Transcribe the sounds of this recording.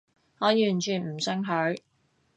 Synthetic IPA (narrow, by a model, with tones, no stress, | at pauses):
ŋɔː˨˧jyː˨˩nt͡ʃʰyː˨˩nm̩˨˩sœ˥ŋɦɵ˨˥ɥ